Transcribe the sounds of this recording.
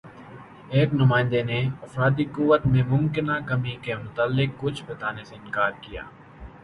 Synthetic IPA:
eːknʊmaːɪ̃nd̪eneɐfɾaːd̪ikʊʋət̪mẽmʊmkɪnakɐmikemʊt̪alːɪkːʊt͡ʃʰbɐt̪aːneseɪnkaːɾkija̰ː

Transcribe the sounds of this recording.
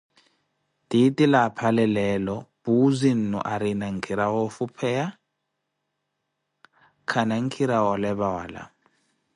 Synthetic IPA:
tʼitʼilapʰalɛlɛːlɔb̥uzin̩nɔ̰ʔaɾinaŋ̩kʰiɾaɣɔfupʰɛja | kʰanaŋ̩kʰiɾawɔlɛβawa̰la̰

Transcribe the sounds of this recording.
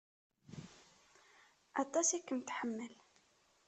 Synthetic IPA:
ʔɑt̪ˤːɑsikʊnt̪ħəmːəl

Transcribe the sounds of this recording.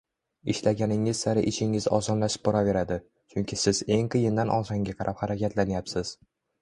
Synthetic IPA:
ɪʃlaɡʲanɪŋɪzsaɾɪ̰ʔɪʃʰɪŋɪzɒ̰zɒnlaʃɪ̥p̚bɒɾave̞ɾad̪ɪ | t͡ʃʰʊŋkʲɪsɪz̥e̞ŋqʰɨjɪnd̪anʔɒ̰saŋɡʲaqʰɑɾʔaphaɾakʲat̪ʰlanjapsɪz̥

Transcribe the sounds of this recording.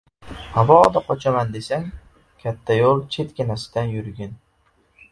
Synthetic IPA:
havɒd̪aqʰɒt͡ʃʰamand̪e̞saŋ | kʲʰat̪ʰːajolˠt͡ʃʰe̞t̪kʲɪnasɪ̥d̪̥anjʊɾɡʲɪn

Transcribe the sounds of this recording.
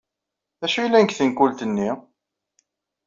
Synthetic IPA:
æʃujlːænkθənkːult̪ənːi

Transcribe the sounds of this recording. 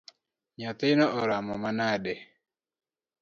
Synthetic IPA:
ɲat̪ɪnɔʔɔɾamɔmanadɛ

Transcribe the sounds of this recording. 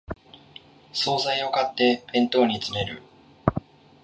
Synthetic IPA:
so̞ːzaio̞kat̪ːe̞bẽ̞nt̪o̞ːɲ̟it͡sɨne̞ɾɯ̟̰

